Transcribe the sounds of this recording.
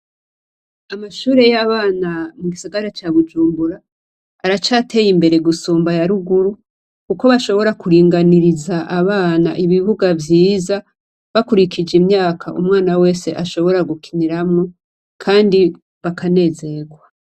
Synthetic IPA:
amaʃuːɾe̞jaβaːnamuɡisaɡaɾat͡ʃaβud͡ʒuːmbuɾaː | ɾat͡ʃaːte̞jimbe̞ɾe̞ɡusuːmbajaɾuɡuɾu | kuko̞βaʃo̞βo̞ɾakuɾiːŋɡaniɾizaʔaβaːna̰ʔiβiβuɡavjiːza | βakuɾikid͡ʒimɲaːkʰaʔumŋaːnawe̞ːse̞ʔaʃo̞βo̞ɾaɡukʰiniɾamŋo | kʰaːndi | βakane̞ːze̞ɡwa

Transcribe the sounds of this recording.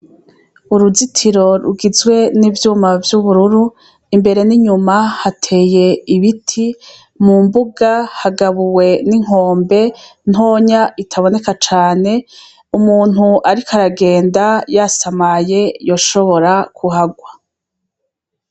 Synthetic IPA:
uɾuzitʰiɾo̞ɾṵɡizwe̞nivjuːmavjuβuɾuɾu | imbe̞ɾe̞niɲumahatʰe̞ːje̞iβitʰi | mumbuɡahaɡaβuwe̞niŋ̥o̞ːmbe̞n̥ɦoːɲaitʰaβo̞ne̞kat͡ʃaːne̞ | umuːn̥huʔaɾikaɾaɡe̞ːndajasamaje̞jo̞ʃo̞βo̞ɾakʰuɦaɡwa

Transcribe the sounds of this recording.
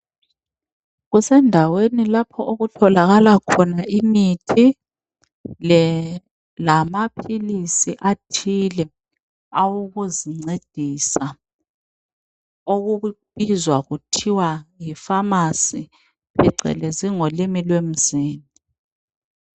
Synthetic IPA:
ɣusɛndʱawenilapʰɔʔoɣutʰɔlaɣalakʰɔnaʔimitʰi | lamapʰilisiʔatʰilɛ | awuɣuziŋ͡ǀed̥ʱisa | oɣubizwaɣutʰiwajifamasi | pʰiǀɛ̰leziŋolimilwem̩ziːni

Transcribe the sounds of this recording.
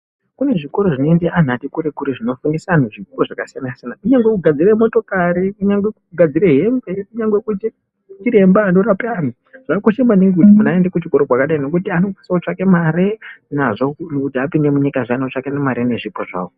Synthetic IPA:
kune̞ʐiko̞ɾo̞ʐino̞ende̞ʔan̤atikuɾekuɾeʐino̞fundisanoʐikoʐakasijanasijanakuɲaŋɡwekuɡʱad͡ziremo̞to̞kaɾiuɲaŋɡwekuuɡʱad͡zireɦemɡekuɲaŋɡwe̞kut͡ʃe | t͡ʃiɾe̞mbaːno̞ɾapeami | ʐ̥akoʃemaniŋɡuimunaendekut͡ʃiko̞ɾokwakaɗaino̞kutiano̞ku̥saut͡ʃakemaɾenaʐo̞kutiapindemuɲikaʐanaut͡ʂakenemaɾene̞ʐipoʐa̰ːwo

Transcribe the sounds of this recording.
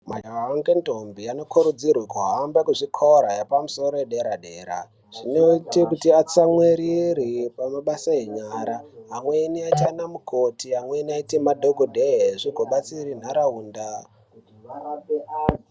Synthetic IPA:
mad͡ʒawaaŋɡentombiano̞kʰuɾud͡zirwekuɦambekuʐikʰoɾajapamuso̞ɾoeɗeɾaɗe̞ːɾa̰ | ʐ̥inoitekutiat͡samweɾiɾipamaɓasaeɲaɾaɦamweniat͡ʃanamukʰotiamwenaitimadʱoɡʱodʱeɦeʐiɡʱoɓat͡sirin̤aɾauːnda

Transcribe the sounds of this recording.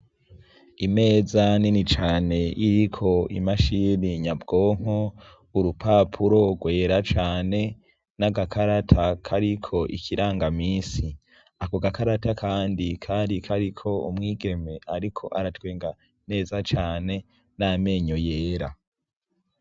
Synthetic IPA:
ime̞ːzaninit͡ʃaːne̞ʔiɾikʰo̞ḭmaʃiɾiɲabɡo̞ːŋ̥o | uɾupʰapʰuɾo̞ɡwe̞ːɾat͡ʃaːne̞ | naɡakʰaɾatʰakʰaɾikʰo̞ʔḭkʰiɾaːŋɡamiːsi | akoɡakaɾatakʰaːndikʰaːndikʰaɾikʰo̞ṵmŋiːɡe̞me̞ʔaɾikʰo̞ʔaɾatweːŋɡa | ne̞ːzat͡ʃaːne̞ | name̞ɲojeːɾa

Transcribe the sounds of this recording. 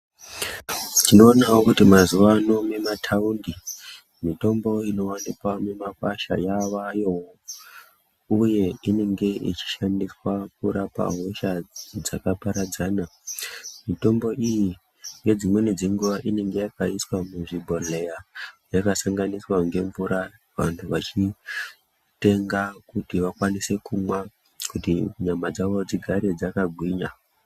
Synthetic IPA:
tino̞ːnawokutimazuʋano̞me̞matʰaundi | mito̞mbo̞ino̞wanikwamemakwaʃa̰jaʋajo̞ | uje̞ine̞ŋɡe̞ḭt͡ʃi̥ʃandiswak̚uɾapa̰ɦoʃad͡zakapaɾad͡zaːna | mito̞mbo̞ʔiji | ŋɡe̞d͡zimwe̞ned͡zeŋɡuʋaʔine̞ŋɡe̞jakaiswamuʐibʱo̞le̞jajakasaŋɡaniswaŋɡe̞ɱvuɾa | ʋa̰ntʰuʋat͡ʃi | te̞ŋɡakutiʋakwanise̞kumwa | kutiɲamad͡zaʋo̞d͡ziɡʱaɾe̞d͡zakaɡʱwiːɲa

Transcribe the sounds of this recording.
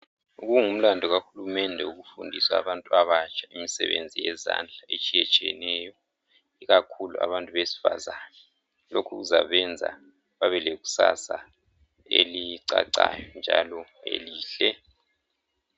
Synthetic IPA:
uɣuŋum̩landʱɔɣaxulumɛndʱɛuɣufundʱisaːβantʼuaβat͡ʃʼʰaimisɛβend͡zʱijɛzand͡ɮʱaet͡ʃʼiɛt͡ʃʼiɛnɛjɔ | iɣakʰulua̰βantʼuβesi̥fazana | lokʰṵɣuza̰βɛnd͡zʱa̰ | βaβɛleɣu̥sasa | eliǀaǀajɔnd͡ʒʱalɔḛliːɬɛ

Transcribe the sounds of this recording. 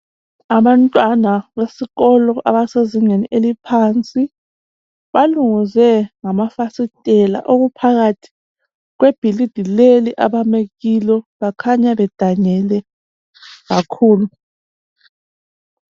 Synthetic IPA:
aβantʼwanawesiɣɔlɔʔaβaseziŋeniʔelipʰant͡sʼi | βaluŋizɛŋamafasitʼɛla̰ʔoɣupʰaɣatʰi̥ | ɣweb̥ʱilid̥ʱileliʔaβameɣilɔβakʰaɲaβɛd̥ʱaɲɛlɛ | ɣakʰuːlu

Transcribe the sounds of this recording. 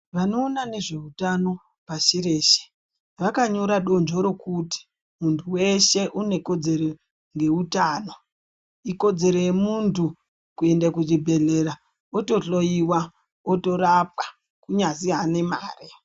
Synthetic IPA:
ʋano̞ːnane̞ʐe̞utano̞ | paʃiɾe̞ːʃe̥ | ʋakaɲo̞ɾaɗo̞nd͡ʒo̞ɾo̞kuti̥ | muntʰuwe̞ʃe̞ʔune̞ko̞d͡ze̞ɾo̞ | ŋɡe̞utaːno | iko̞d͡ze̞ɾo̞je̞muntʰu | kue̞ndakud͡ʒibʱe̞ɮe̞ɾa | oto̞ɬoiwa | oto̞rap̚kḁ | kuɲaziɦane̞maːre

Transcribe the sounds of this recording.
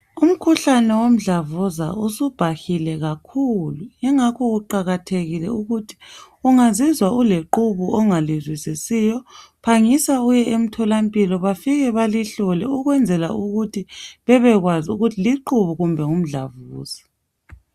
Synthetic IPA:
um̩kʰuɬanɛwom̩ɮavuza̰usub̥ʱaxilɛɣakʰuluɲɛŋakʰɔɣuǃaɣatʰeɣilɛ̰uɣutʰi̥ | uŋazizwauleǃuβuʔɔŋalizwisisijɔpʰaŋisaujɛʔem̩tʰɔlampʼilɔβafiɣɛβaliɬɔlɛuɣwɛnd͡zʱɛla̰uɣutʰiβɛβɛɣwazuɣutʰiliǃuβuɣumbʱɛŋum̩ɮa̰vuːz̥a

